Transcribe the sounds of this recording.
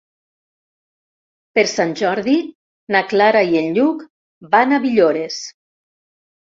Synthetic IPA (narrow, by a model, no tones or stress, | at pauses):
peɾsanʲʒɔɾði | naklaɾaienʎuk | banaβiʎoɾes